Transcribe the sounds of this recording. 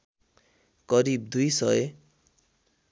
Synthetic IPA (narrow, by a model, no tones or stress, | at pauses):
kʌɾib̚d̪ujsʌe